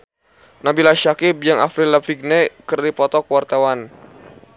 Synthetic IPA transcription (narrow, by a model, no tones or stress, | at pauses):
nabilaʃakib̚d͡ʒaŋafɾilafiɡ̚nɛkərdipɔt̪ɔkəwart̪awan